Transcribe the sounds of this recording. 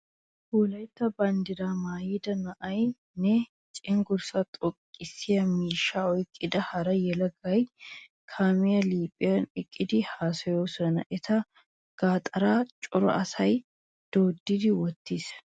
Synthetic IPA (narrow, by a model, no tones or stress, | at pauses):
huːlɐjt̪ːɐbɐnd̪ɪɾamaːjɪd̪ɐnɐʔɐj | nɛ | t͡ʃʼɪŋɡʊɾsɐt̪ʼɔkʼːɪsɪjɐmiːʃːaɔjkʼːɪd̪ɐhɐɾɐjɛlɐɡɐj | kʰaːmɪjɐliːpʼɪjɐnɪkʼːɪd̪ɪhaːsɐjoːsɔnɐ̰ʔɛt̪ʰɐ | ɡ̥aːt̪ʼɐɾaːt͡ʃʼʊɾɐ̰ʔɐsɐj | d̪̥o̞ːd̪ːɪd̪ɪwɔt̪ːis